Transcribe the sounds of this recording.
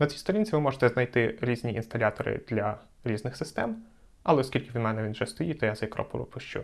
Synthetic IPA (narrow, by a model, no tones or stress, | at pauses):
nɐt͡sʲijst̪ɔɾʲinʲt͡sʲiʋɪmɔʒet̪ɛznɐjt̪ɪɾʲizʲnʲiʔḭnst̪ɐlʲat̪ɔɾɪ̰d̪̥lʲɐ | ɾʲiznɪxsɪst̪ɛm | ɐ̰lˠɛɔskʲilʲkɪʋʲmɛnɛʋʲinʒɛst̪ɔjit̪ɔjazɐjɐkɾɔ̰pʊɾʊ̰pʊʃt͡ʃṵ